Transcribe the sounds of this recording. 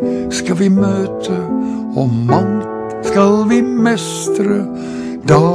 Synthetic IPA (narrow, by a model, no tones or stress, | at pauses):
skɑvɪmøːt̪ʰə | ɔmɑŋ | skɑlvɪmɛs | t̪ɾə | d̪ɑː